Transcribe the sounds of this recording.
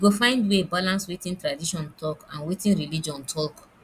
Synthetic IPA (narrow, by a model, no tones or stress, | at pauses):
ɡofãɪ̃ndwebalãnswetĩntɹadiʃɔ̃ntɔkãnwetĩnɹilid͡ʒɔ̃ntʰɔk